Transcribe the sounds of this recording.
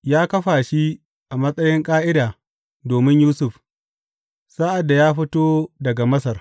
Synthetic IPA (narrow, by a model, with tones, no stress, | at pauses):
jaː˦kɐ˦ɸaː˨ʃi˦ | ʔa˨mɐ˦sʼɐ˦jɪ˦ŋkʼaː˦ʔɪ˦daː˨ | doː˨mɪ˦ɲjuː˦sʊ˨ɸ | sa˦ʔa˨dːa˨jaː˦ɸɪ˦toː˦dɐ˨ɡa˨mɐ˦sɐ˨r